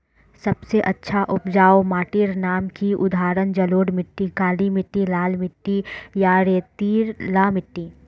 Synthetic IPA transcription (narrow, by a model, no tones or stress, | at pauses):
sɐbseʔɐtːʃʰaʔʊpd͡ʒaːomaːʈiɾnaːmkiʔʊd̪ʱaːɾənd͡ʒɐloːɽmɪʈːikaːlimɪʈːilaːlmɪʈːijaɾeːt̪iːɾlaːmɪʈːiː